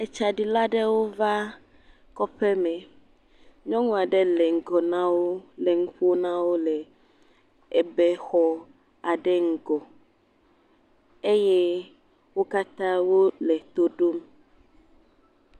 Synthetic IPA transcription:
ɛ˨t͡ʃa˨ɖi˨la˦ɖɛ˦wo˦va˦ | kɔ˦ɸɛ˦mɛ̃˨ | ɲɔ̃˦ŋũ˦a˨ɖɛ˦lɛ˨ŋ̩˨ɡɔ˨nã˦wo˦lɛ˨ŋũ˦ɸu˦o˦nã˦wo˦lɛ˨ | ɛ˨bɛ˦xɔ˦ | a˨ɖɛ˦ŋ̩˨ɡɔ˨ | e˦jɛ˦ | wo˦ka˦t̪ã˦wo˦lɛ˨t̪o˦ɖo˦m

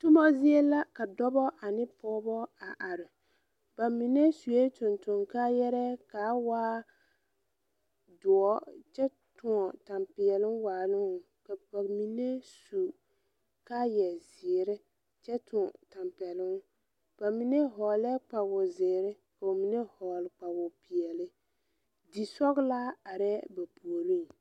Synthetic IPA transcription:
tʊ˦mɔ˦zɪ˦ɛ˦la˦ka˨dɔ˦bɔ˦ʔa˨nɪ˦pɔː˦bɔ˦a˨ʔa˨ɾɪ˨ | b̥a˨mi˨ne˦su˨e˦tʊ˨ntʊ˨ŋka˦jɛ˦ɾɛ˦ka˨˦waː˦ | dʊ˨ɔ˦t͡ʃɛ˦ | tʊ˨ɔ˨ta˨mpɪ˨ɛ˨lɪ˦ŋwaː˨lʊ˦ŋʊ˨ | ka˨ba˨mi˨ne˦su˨ | ka˦jɛ˨zɪ˨ɾɪ˦ | t͡ʃɛ˦tʰʊ˨ɔ˨ta˨mpɛ˨lɪ˦ŋ˦ | b̥a˨mi˦ne˦ɦɔː˨lɛ˦k͡pa˨bʊ˨zɪː˨ɾɪ˦ | ka˨o˨mi˨ne˦hɔː˨lɪ˨k͡pa˨bʊ˨pɪ˨ɛ˨lɪ˦ | di˨sɔ˦ɣla˦a˨ɾɛ˦ba˨pu˨o˨ɾi˦ŋ

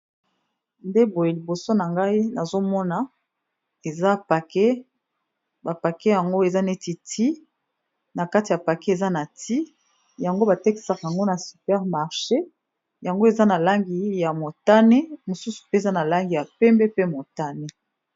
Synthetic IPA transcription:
nde˦bo˨je˨li˨bo˨so˦na˨ŋɡa˦i˦na˨zo˦mɔ˦na˨ | e˨za˦pa˨kɛ˦ | ba˨pa˨kɛ˦ja˨ŋɡo˦e˨za˦ne˦ti˨tʰi˦ | na˨ka˦ti˨ja˨pa˨kɛ˦e˨za˦na˨ti˦ | ja˨ŋɡo˦ba˨tɛ˦ki̥˦˨sa˨ka˨ja˨ŋɡo˦na˨sy˨pɛ˦ʁma˨ʁʃe˦ | ja˨ŋɡo˦e˨za˦na˨la˦ŋɡi˨ja˨mo˨ta˦ne˦mo˨su˦su̥˨pe˦˨za˦na˨la˦ŋɡi˨ja˨pɛ˦mbɛ˦pe˦mo˨ta˦ne˦

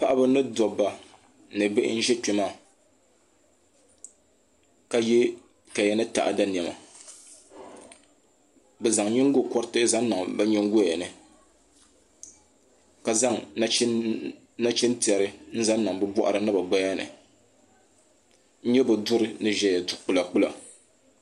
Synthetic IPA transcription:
pa˦ʔa˦bɨ˦nɨ˦dɔ˨bːa˨ | nɨ˨be˦ʔn̩˦ʒɛ˦t͡ʃɛ˨maː˦˨ | ka˨jɛ˦ | ka˨jɛ˦nɨ˦ta̰˨ʔa̰˨da˦n˨ɛ˨ma̰˨ | bɛ˨za˨ŋɲɛ˦ŋ˦ɡo˦kɔ˦ɾtɨ˦za˦n˦na˨ŋba˦ɲɛ˦ŋɡo˦˨ɛ˨nɨ˨ | ka˨za˦ŋ˦ | na˦t͡ʃɛ˦nti˨ɛ˨ɾɨ˦n̩˦za˦nnːa˨ŋbɛ˦bɔ˦ʔa̰˨ɾɨ˨˦nɨ˦ba˨ɡ͡ba˦ja˦nɨ̰˨ | ɲ̩˦ɲɛ˦bɛ˨dʊ˦ɾɨ˨nɨ˦ʒɛ˨˦jɛ˨dk͡pʊ˨la˨k͡pʊ˦la̰˨

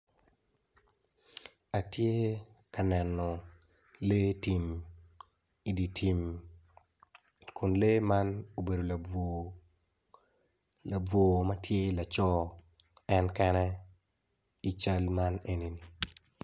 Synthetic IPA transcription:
a˨tje˦ka˨nɛ˨nɔ˨ | le˦ti˨m | i˨di˨tʰi˨m | kʰʊ˨nle˦ma˦no˨be˨do˨l | la˨b͡vwo˨ma˦tʰje˦la˨t͡ʃɔ˦ | ɛ˦nkɛ˦nɛ˦ | i˨t͡ʃa˦lma˦ne˦ni˨ni˨

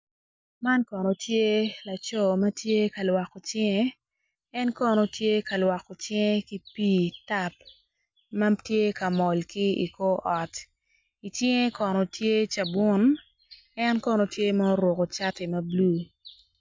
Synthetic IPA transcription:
ma˦nkɔ˨nɔ˨tje˦la˨t͡ʃɔ˦mɐ˦tje˦ka˨lwa˨ko˨t͡ʃɪ˦ŋe˦ | ɛ˦nkɔ˦nɔ˨tje˦ka˨lwa˨ko˨t͡ʃɪ˦ŋe˦ki˦piː˦ta˦˨p̚ | ma˦tje˦ka˨mɔ˨lki˦ḭ˨ko˦ʔɔ˨t | i˨t͡ʃɪ˦ŋe˦kɔ˨nɔ˨tje˦t͡ʃa˨bʊ˦n | ɛ˦nkɔ˦nɔ˨tje˦ma˦o˦ɾwo˨ko˨t͡ʃa˦ti˨mɐ˦blu˦˨

